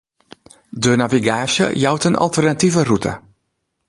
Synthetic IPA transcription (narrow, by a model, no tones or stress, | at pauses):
dənaviɡaːsjə̰jawtənʔɔ̰lˠtərnativərutʰə̰